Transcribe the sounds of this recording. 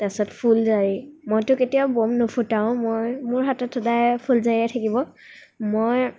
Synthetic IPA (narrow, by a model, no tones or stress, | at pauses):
tasɔtpʰulzaɹimojtʊketijabomnɔpʰutaʊ̃mojmʊɹɦatɔtʰːɔdajpʰulzajɛtʰakibɔ | moj